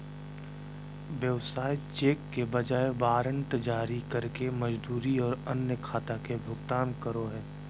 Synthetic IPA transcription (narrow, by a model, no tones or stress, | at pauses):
ʋjəʋsaːit͡ʃeːkːebɐd͡ʒaːebaːɾə̃nʈ̪d͡ʒaːɾikɐɾkemɐd͡ʒd̪uːɾiɔːɾɐnjəkʰaːt̪akebʱʊɡt̪aːnkəɾoɦɛː